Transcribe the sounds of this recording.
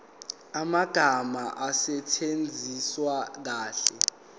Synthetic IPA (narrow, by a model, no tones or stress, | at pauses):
amaɡ̥ʱamaʔasɛt͡ʃʰend͡zʱiswak̬aːɬɛ